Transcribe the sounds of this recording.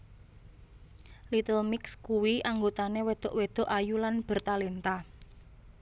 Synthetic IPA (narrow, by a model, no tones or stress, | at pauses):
lit̪əlmɪkskuwiaŋɡot̪anewed̪̥ɔ̤ʔwed̪̥ɔ̤ʔajulanb̥ə̤rt̪alent̪a